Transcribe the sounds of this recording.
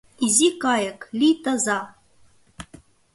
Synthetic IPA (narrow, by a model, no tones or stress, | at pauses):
izikɑjəklʲit̪əzɑ